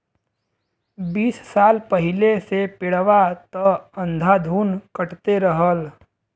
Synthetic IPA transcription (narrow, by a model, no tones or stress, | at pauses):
biːssaːlpəɦɪlesepɪɽəʋat̪əə̃nd̪ʱad̪ʱuːnkəʈt̪eɾəɦəl